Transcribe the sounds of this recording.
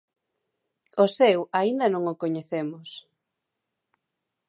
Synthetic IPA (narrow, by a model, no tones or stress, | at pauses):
osewaind̪ɐnõŋokoɲeθemʊs